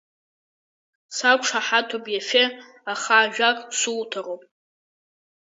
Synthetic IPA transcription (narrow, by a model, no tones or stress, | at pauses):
sakʷʂʰaħatʰopʼjafe | aχaːʒᶣakʼsultʰarowpʼ